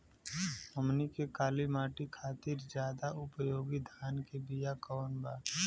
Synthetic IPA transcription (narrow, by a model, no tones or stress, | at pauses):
əmnikekaːlimaːʈikʰaːt̪ɪɾd͡ʒjaːd̪aʊpəjoːɡid̪ʱaːnkebijakɔːnbaː